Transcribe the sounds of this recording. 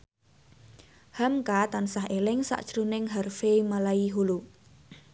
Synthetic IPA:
hamkat̪ansaɦelɪŋsa̰ʔd̥ʒ̥ɾunɪŋɦarfemalaiɦulu

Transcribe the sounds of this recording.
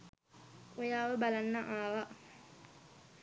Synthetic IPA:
ʊjaːwɛbalanːaʔaːwa

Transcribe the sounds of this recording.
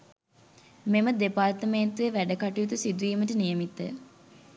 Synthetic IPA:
meməd̪epaɾt̪əmeːt̪uʋeʋæɖəkaʈijut̪usid̪uʋiːməʈənijəmit̪ːə̰

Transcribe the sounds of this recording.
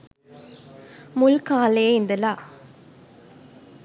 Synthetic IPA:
mʊlkaːleːɪnd̪ɐlaː

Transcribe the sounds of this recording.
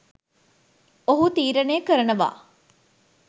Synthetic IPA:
oɦut̪iːɾənejːkəɾənəʋa̰ː

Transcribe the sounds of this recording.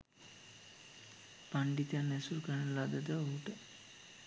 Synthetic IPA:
paɳɖit̪janːesuɾkəɳəlad̪əd̪əoɦuʈə

